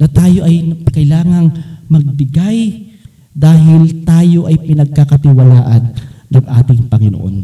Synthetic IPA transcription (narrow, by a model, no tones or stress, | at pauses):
nɐt̪aːjo̞ʔɐjnɐkɐɪlaːŋɐŋmɐɡ̚bɪɡaj | d̪aːɦɪlt̪aːjo̞ʔɐjpɪnɐɡ̚kakɐt̪ɪwɐlaːʔɐnːɐŋʔaːt̪ɪŋpɐŋɪno̰ʔo̰n